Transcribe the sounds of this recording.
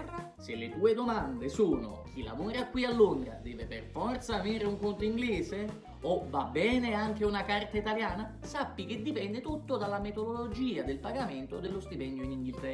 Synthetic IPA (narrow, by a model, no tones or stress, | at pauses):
selːet̪uːed̪omand̪esuːno̰k̟ila̰muɾakːwialːoŋɡ̪ɾa̰d̪ɛːveperfɔrt̪samiɾeuŋkont̪oiŋɡlɛːze | ovabːɛːneaŋk̟eunakart̪ait̪aljaːna | sapːik̟ed̪ːipɛnd̪et̪ut̪ːod̪alːamet̪od̪olod͡ʒiːad̪elpaɡamɪnt̪od̪elːost̪ipɛnːjoiniŋɡilt̪ɛ